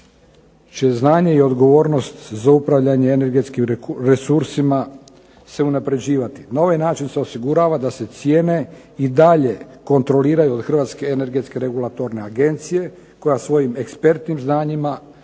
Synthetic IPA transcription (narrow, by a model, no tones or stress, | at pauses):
t͡ʃeznaːɲe̞io̞d̪ɡo̞ʋo̞ːɾno̞st̪zaupɾaʋʎaɲe̞ːne̞ɾɡet̪skimɾesuɾsima | se̞unapɾe̞d͡ʑiːʋat̪inao̞ʋajnaːt͡ʃinseosiɡuɾaːʋad̪ase̞t̪sjeːne̞ | id̪aʎe̞ko̞nt̪ɾo̞liːɾajuo̞d̪xr̩ʋaːt̪ske̞ene̞ɾɡe̞t̪ske̞ɾeɡulˠat̪o̞ɾne̞aɡe̞nt̪sije̞ | ko̞jasʋo̞jime̞kspe̞ɾt̪nimznaːɲima